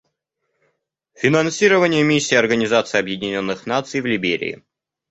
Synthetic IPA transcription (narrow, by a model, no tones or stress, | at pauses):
fʲɪnɐnsʲiɾəvənʲɪjəmʲisʲːiːɐrɡənʲɪzat̪sɨjɐbjɪdʲɪnʲo̞nːɨxnat̪sɨjvlʲɪbʲeɾʲɪ̰ɪ̰